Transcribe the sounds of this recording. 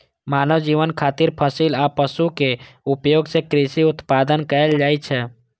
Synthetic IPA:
maːnəʋd͡ʒiːʋənkʰaːt̪ɪɾpʰəsilapəʃukeʊpjoːɡsekɾɪʃiʊt̪paːd̪ənkəəld͡ʒaːit͡ʃʰɛ

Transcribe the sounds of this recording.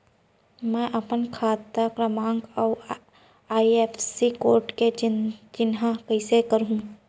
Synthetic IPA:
mɛ̃ːʔɐpənkʰaːt̪akɾəmãːŋɡɔː | aːieːpʰsikoːɾʈked͡ʒɪnɦãkəɪsekəɾɦũ

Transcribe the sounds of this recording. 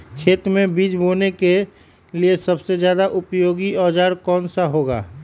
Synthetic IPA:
kʰeːt̪mẽbiːd͡ʒboːneke | liesɐbsed͡ʒjaːd̪aʔʊpjoːɡiɔːd͡ʒaːɾkɔːnsaɦoːɡa̰ː

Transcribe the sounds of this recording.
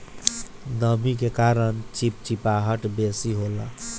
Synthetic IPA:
nəmikekaɾənt͡ʃip̚t͡ʃipaɦəʈbesiɦola

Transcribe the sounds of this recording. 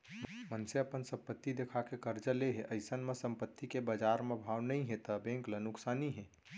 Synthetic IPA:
mənseɐpənsə̃mpət̪ːid̪ekʰakekəɾd͡ʒəleɦɛʔəɪsənmẽsə̃mpət̪ʰːikebəd͡ʒaːɾmẽbʱawnəĩɦẽt̪əbẽŋklənʊksaːniɦɛ̃ː

